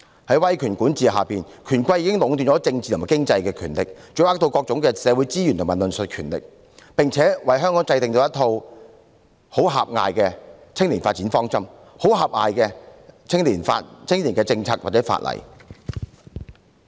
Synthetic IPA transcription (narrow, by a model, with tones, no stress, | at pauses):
hɐ˨˥jwɐ˥jkʰyː˨˩nkuː˨˥nt͡siː˨˧ha̰ː˨piː˨n | kʰyː˨˩nkʷɐ˧jiː˨˥kɪ˥ŋlʊ˨˧ŋt̪yː˧˨nt͡ʃɔ˨˥t͡sɪ˧ŋt͡siː˨t̪maː˨˩kɪ˥ŋt͡sɐ˧jkɛː˧kʰyː˨˩nlɪ˨k̚t͡ʃɵ˨˧˥aː˥t̪o˧wkɔː˧k̚ʊ˨˧˥ŋkɛː˧sɛː˨˧wu˨˥jt͡siː˥jy˨˩nt̪ʊ˨ŋmaː˨˩nlɵ˨nsɵ˨t̚kʰyː˨˩nlɪ̰˨k̚ | pɪ˨ŋt͡sʰɛː˨˥wɐ˨jɦœː˥ŋkɔ˨˥ŋt͡sɐ˧jt̪ɪ˨ŋt̪o˧wjɐ˥t̪ʰo˧w | ho˨˥wɦa̰ː˨p̚ŋa̰ː˨jkɛː˧ | t͡sʰɪ˥ŋliː˨˩nfaː˧t̚t͡siː˨˥nfɔː˥ŋt͡sɐ˥m | ho˨˥wɦaː˨p̚ŋa̰ː˨jkɛː˧t͡sʰɪ˥ŋliː˨˩nfa̰ː˧tt͡sʰɪ˥ŋli˨˩nkɛː˧t͡sɪ˧ŋt͡sʰaː˧˥t̚waː˨t̚t͡sɛː˨˥fa̰ː˧t̚lʔɐ̰˨˩j